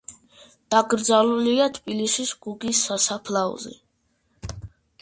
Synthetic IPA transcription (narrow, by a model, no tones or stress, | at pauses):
d̪̥aɡɾd̪zaluliat̪ʰbilisisɡ̥uɡisːasapʰlaɔ̰zḭ